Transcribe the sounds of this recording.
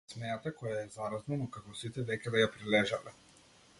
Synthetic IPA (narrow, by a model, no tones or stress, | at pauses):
smɛjat̪akɔjaɛzaɾaznanɔkakɔsit̪ɛd̪ɛkʲɛd̪ajapɾilɛʒalɛ